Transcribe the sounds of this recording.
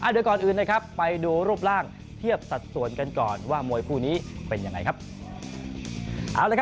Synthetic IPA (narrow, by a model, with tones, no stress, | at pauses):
ʔaː˨˧˩dɯ˩˦əkɔː˨˩nʔɯː˨˩nːaː˧˩jkʰpːa˧jduː˧ɾuː˥˩p̚laː˥˩ŋ | t̪ʰi˥˩əp̚sa˨˩t̪̚su˨˩˦ənka˧nkɔ̰ː˨˩nwaː˥˩mu˧əjpʰuː˥˩niː˦˥pe˧nja˧ŋːa˧jkʰa˦˥p̚ | ʔaː˨˩wlaː˧˩kʰ